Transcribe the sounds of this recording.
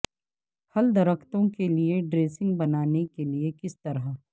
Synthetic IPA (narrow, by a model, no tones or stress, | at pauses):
hɐld̪ɐɾəkʰt̪õkelieɖɾeːsɪ̃ŋɡbɐnaːnekeliekɪst̪ɐɾɦə